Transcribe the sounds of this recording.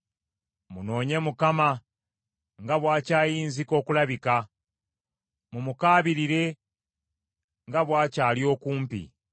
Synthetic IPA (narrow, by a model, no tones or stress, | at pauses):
muno̞ːɲe̞mukama | ŋɡaβwaːcaːjiːnziko̞ːkulaβika | mumukaːβiɾiɾe̞ | ŋɡaβwaːcaːljo̞ːkuːmpḭ